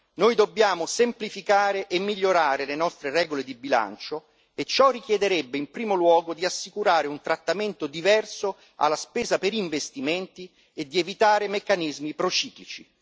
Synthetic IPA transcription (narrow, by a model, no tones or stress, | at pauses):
nojd̪obːjaːmosemplifikaːɾeʔemːiʎːoɾaːɾelenɔst̪ɾerɛːɡoled̪ibila̰nt͡ʃo | et͡ʃːɔrːik̟jɛd̪eɾebːeimpɾiːmolwɔːɡod̪iasːikuɾaːɾeunt̪ɾat̪ːament̪od̪ivɛrso | a̰lːaspɛːzapeɾiɱvest̪iment̪i | ed̪ːievit̪aːɾemekːanizmipɾot͡ʃiːklit͡ʃi